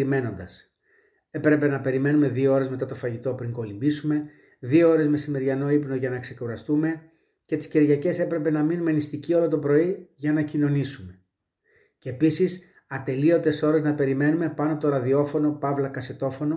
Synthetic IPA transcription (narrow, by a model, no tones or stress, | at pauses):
ɾime̞no̞nd̪ɐs | e̞pɾe̞pe̞nɐpe̞ɾime̞nume̞ðioo̞ɾe̞zme̞t̪ɐt̪o̞fɐʝit̪o̞pɾiŋko̞limbisume̞ | ðioo̞ɾe̞zme̞simeɾʝɐno̞ipno̞ʝɐnɐkse̞kuɾɐst̪ume̞ | ce̞t̪i̥sceɾʝɐce̞se̞pɾe̞pe̞nɐminumenist̪icio̞lo̞t̪o̞pɾo̞iʝɐnɐcino̞nisume̞ | ceːpisis | ɐt̪e̞lio̞t̪e̞so̞ɾe̞znɐpe̞ɾime̞nume̞pɐnoɐpot̪oɾɐðio̞fo̞no̞pɐvlɐkɐse̞t̪o̞fo̞no̞